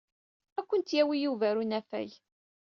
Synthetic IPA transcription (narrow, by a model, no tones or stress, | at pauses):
ækʷːənt̪jæwijuvæɾunæfæ̰j